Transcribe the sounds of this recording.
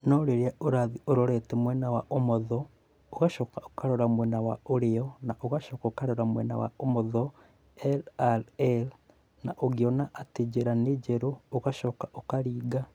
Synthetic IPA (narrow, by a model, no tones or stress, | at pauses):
noɾeɾiaoɾaðioɾoɾɛtemwɛnawaʔomoðɔ | oɣaʃoːkao̥kaɾoɾamwɛnawa̰oɾeɔnaʔoɣaʃoːkaokaɾoɾamwɛ̰na̰wa̰omoðɔ | ɛlaɾɛl | naʔoɣjonaʔːted͡ʒeɾaned͡ʒeɾoːɣaʃokaʔokaɾiːɡa